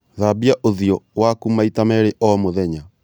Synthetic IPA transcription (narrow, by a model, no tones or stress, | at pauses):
ðabiaʔoðjɔwakumaitamɛɾeʔɔmoðɛɲa